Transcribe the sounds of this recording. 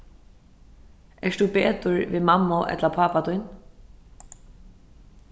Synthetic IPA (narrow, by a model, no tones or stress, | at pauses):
ɛʂd̪uːpeːt̪ʊɹʋḭːmamːʊʔɛ̰t̪lapʰaːpat̪ujn